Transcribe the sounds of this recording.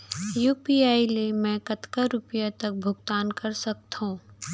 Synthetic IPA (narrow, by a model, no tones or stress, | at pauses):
juːpiaːilemɛ̃kɐt̪kaɾʊpəjat̪ɐk̚bʱʊɡt̪aːnkɐɾsɐk̚t̪ɦũː